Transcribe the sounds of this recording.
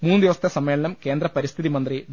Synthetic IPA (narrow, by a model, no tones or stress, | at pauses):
muːnːɨd̪iʋɐst̪ʰːɐsɐmːeːɭɐnɐmke̞ːnd̪rɐpɐɾist̪ʰiðimɐnd̪ri